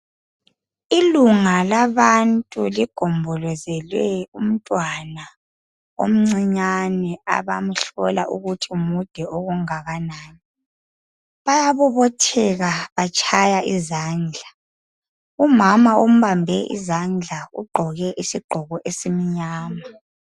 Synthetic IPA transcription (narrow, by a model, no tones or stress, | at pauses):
iluŋalaβantʼuliɡ̥ʱɔmbʱɔlɔzɛlwɛum̩tʼwana | o̰m̩ŋ͡ǀiɲanɛa̰βam̩ɬɔlaʔuɣutʰimud̥ʱɛoɣuŋaɣanaːni | βajaβɔβɔtʰɛɣaβat͡ʃʰʼajaʔizaːnd͡ɮʱa | umamaom̩βambʱɛʔḭzand͡ɮʱaṵɡ͡ǃʱɔɣɛʔisiɡ͡ǃʱɔɣɔʔesimiɲaːma